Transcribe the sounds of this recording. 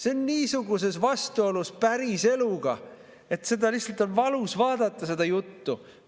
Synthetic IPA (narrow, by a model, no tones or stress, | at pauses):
seonːiːsuɡ̥use̞svɑst̪uo̞luspæɾise̞luɡ̥ɑ̰ | e̞t̪se̞d̪ɑliçhsɑlt̪ˑo̞nvɑlusvɑːd̪̥ɑt̪ːˑɑse̞d̪̥ɑjut̪ːu